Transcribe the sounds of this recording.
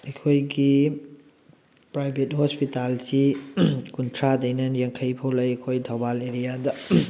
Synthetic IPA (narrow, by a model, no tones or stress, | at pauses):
ɐkʰojɡi | pɾajbʱethɔspitalsikuntʰɾadɐjnɐnjɐŋkʰɐjpʰowlɐjɐkʰojdʱɐwbaleɾijadɐ